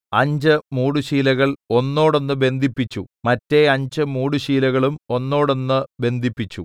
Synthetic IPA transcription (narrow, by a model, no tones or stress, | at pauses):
ɐɲd͡ʑɨmuːɽuɕiːlɐɣɐɭo̞nːo̞ːɽo̞nːɨbe̞nd̪ʱipːit͡ɕːumɐtːe̞ɐɲd͡ʑɨmuːɽuɕiːlɐɣɐɭumo̞nːo̞ːɽonːɨbe̞nd̪ʱipːit͡ɕːu